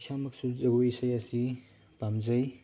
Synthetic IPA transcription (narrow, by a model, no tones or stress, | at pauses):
samɐk̚suzɐɡojsɐjɐsi | bamzɐj